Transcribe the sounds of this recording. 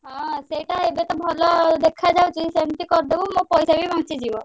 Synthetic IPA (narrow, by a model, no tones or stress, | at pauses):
ɦɔ̃sejʈaɦebet̪ɔbʱɔlɔd̪ekʰad͡ʒawt͡ʃid̪isemʈ̪ikɔɾd̪ebumõpɔjsabibãŋt͡ʃid͡ʑibɔ